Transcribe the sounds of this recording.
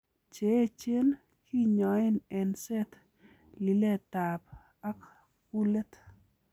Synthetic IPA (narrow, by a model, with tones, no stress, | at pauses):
t͡ʃe˨˦t͡ʃe˦n | ki˦ɲɔ˨e˦nɛ˨nsɛ˦t̪ | li˨le˦ta˨p̚ | a˦k | ku˦le˦t̪